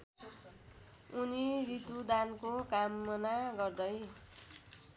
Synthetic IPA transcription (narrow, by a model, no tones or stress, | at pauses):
uniɾit̪ud̪ankokamːʌnaɡʌrd̪ʌj